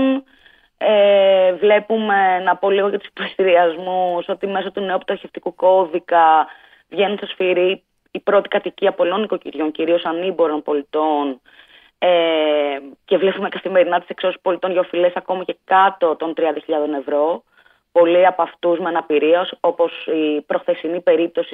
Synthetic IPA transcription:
n | evle̞pume̞nɐpo̞liɣo̞jɐt̪usi̥p̪est̪iɾiɐzmuso̞t̪ime̞sot̪uneuput̪ɐɾçe̞ft̪ikuko̞ðikɐ | vʝe̞nunsɐsfiɾiː | pɾo̞t̪i̥kɐt̪iciɐpolo̞niko̞ciɾʝo̞ɲciɾio̞sɐnibo̞ɾo̞npo̞lit̪o̞n | e | ce̞vle̞pume̞kɐθime̞ɾinɐt̪i̥se̞kso̞si̥spo̞lit̪o̞nʝɐofile̞sɐko̞mɐce̞kɐt̪o̞t̪o̞nt̪ɾiɐnd̪ɐçiʎɐðo̞ne̞vɾo̞ | po̞liɐpɐft̪uzmeɐnɐpiɾiɐso̞po̞sipɾo̞xθe̞sinipe̞ɾip̚t̪o̞si̥

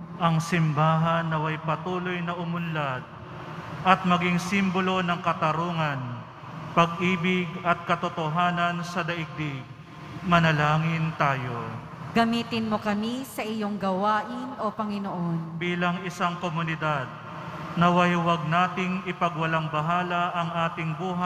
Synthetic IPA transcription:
ʔɐŋsɪmbaːɦɐnːɐwɐjpɐt̪uːlojnɐʔʊmʊnlad̪̚ | ʔɐt̪̚mɐɡɪŋsimbolo̞nɐŋkɐt̪ɐɾoːŋɐn | pɐɡ̚ʔiːbɪɡɐt̪̚kɐt̪ot̪oɦaːnɐnsɐd̪ɐʔɪɡ̚d̪ɪɡ̚ | mɐnɐlaːŋɪnt̪aːjo̞ | ɡɐmiːt̪ɪnmokɐmisɐʔɪjoŋɡɐwaːʔɪnʔopɐŋɪnoʔonbiːlɐŋɪsaŋkomʊnɪd̪ad̪̚ | nɐwajwɐɡ̚naːt̪ɪŋɪpɐɡwɐlaŋbɐɦaːlɐʔɐŋʔaːt̪ɪŋbuːɦa

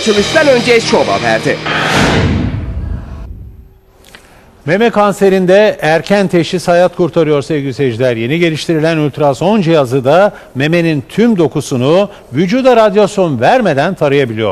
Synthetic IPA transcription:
at͡ʃʰɯlˠɯʃd̪anø̞nd͡ʒet͡ʃʰoba̰bæ̰ɾd̪ɪ | me̞mɛkʰonse̞ɾind̪ɛæɾcʰænt̪ʰe̞ʃisajat̪kʰuɾt̪ʰaɾɯjo̞ɾsevɟised͡ʒlʲæɾje̞niɟe̞lʲiʃt̪ʰiɾilʲænylʲt̪ʰɾaso̞nd͡ʒijazɯd̪a | me̞me̞nint̪ʰymd̪o̞kusunu | vyd͡ʒuːd̪aɾad̪josʲo̞nvæɾme̞d̪ænt̪ʰaɾɯjabilʲijoɾ

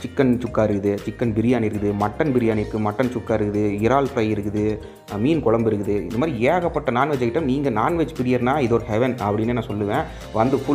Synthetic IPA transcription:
t͡ʃɪkːɐnt͡ʃʊkːaːɪɾɯkːɯðɯt͡ʃɪkːɐnbɪɾɪjaːnɪɾɯkːɯðɯmɐʈːɐnbɪɾɪjaːnɪɾɯkːɯmɐʈːɐnt͡ʃʊkːaːɪɾɯkːɯðɯɪɾaːlpɾɐɪɪɾɯkːɯðɯ | miːnkɔɭɐmbɪɾɯkːɯðɯɪnd̪ɐmaːðɾieːɣɐpːɐʈːɐnaːnʋɛt͡ʃːɐkːɪʈːɐmniːŋɡɐnaːnʋɛt͡ʃːpɪɾɪjɐɾnaːɪðoɾɯhɛʋɛnɐpːɐɽɪnːeːnãːsɔlːɯʋẽː | ʋɐnd̪ɯfʊ

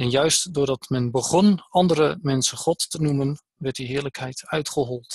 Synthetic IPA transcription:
ɛnjœɥstdʊːɹdɑtmɛnbəχɔnɑndəɾəmɛnsəχɔttənumən | ʋɛɹt̚diɦɪːɹləkɦɛjtœɥtχəɦɔlˠt

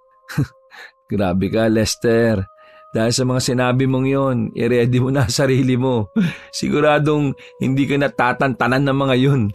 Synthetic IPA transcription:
ɡ̥ɾaːbɛkɐlɛst̪ɛɾ | d̪̥aːhɪlsɐmɐŋasɪnaːbɪmo̞ŋjo̞nɪ̰ɾɛːd̪ɪmonɐsɐɾiːlɪmo̞sɪ̰ɡʊɾaːd̪o̞ŋhɪ̰nd̪ikɐnɐt̪aːt̪ɐnt̪ɐnanːɐŋmɐŋajon

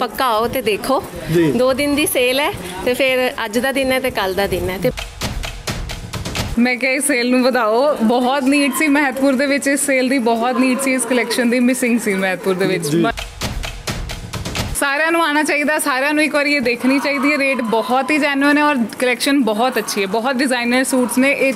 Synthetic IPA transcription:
pəkaːoːt̪eːd̪eːkʰoː | d͡ʒid̪oːd̪ɪnd̪iːseːlɛː | t̪eːpʰɪɾəd͡ʒd̪aːd̪ɪnɛːt̪eːkəld̪aːd̪ɪnɛːt̪eː | mɛ̃ːkɛːɪsːeːlnũːbəd̪aːoːbɔːt̪niːɖsiːmɛːt̪pʊɾd̪eːʋɪt͡ʃɪsːeːld̪iːbɔːt̪niːɖsiːɪskəlɛːkʃənd̪iːmɪsɪ̃ŋɡsiːmɛːt̪̚pʊɾd̪eːʋɪt͡ʃ | saːɾejãːnũːaːɽ̃aːt͡ʃaːiːd̪aːsaːɾjãːnũːɪkʋəɾieːd̪eːkʰniːt͡ʃaːiːd̪iːɛːɾeːʈbɔːt̪ɦiːd͡ʒɛːnənɛːɔːɾkəlɛːkʃənbɔːt̪ətːʃʰiːɛːbɔːt̪̚ɖɪzaːinəɾsuːʈsnẽːʔe

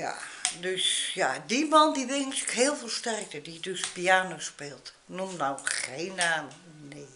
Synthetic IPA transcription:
ja̰døsjadimɔndiʋɪŋskhɪəlˠfəlˠstɛrk̚tədidøspiaːnoːspɪːlˠt | numnawxeːnaːm | neː

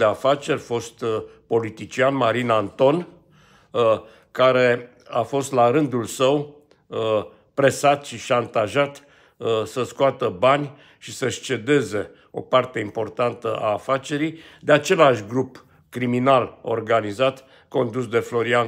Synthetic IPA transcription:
d̪eafat͡ʃe̞rʲfo̞st̪po̞lit̪it͡ʃianmaɾinant̪o̞n | kaɾe̞ | afo̞st̪laɾɨnd̪ulsəw | pɾe̞sat̪ʃiʃant̪aʒat̪ | səskoat̪əbanʲ | ʃisəʃt͡ʃe̞d̪e̞ze̞ | o̞̰part̪e̞impo̞rt̪ant̪əʔaːfat͡ʃe̞ɾij | d̪eat͡ʃe̞laʃʲɡɾup | kɾiminalo̞̰rɡanizat̪ | ko̞nd̪usd̪e̞flo̞ɾian

